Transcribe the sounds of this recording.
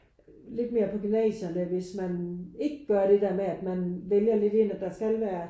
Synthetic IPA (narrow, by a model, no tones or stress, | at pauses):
le̝d̥me̝ːɐpʰɒ̽ɡ̥ynɛ̰ːɕɐnəʋe̝smæne̝ɡ̥əɡ̥ɶɐɾ̥e̝d̥eɐ̰meæd̥mænʋeljɐle̝d̥e̝næd̥ɑ̈sɡ̥ælʋæːɐ